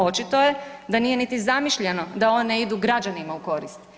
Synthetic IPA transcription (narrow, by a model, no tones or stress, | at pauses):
o̞t͡ʃit̪o̞je̞d̪aniːje̞nit̪izamiʃʎe̞no̞d̪ao̞neid̪uɡɾad͡ʒanimauko̞ɾist̪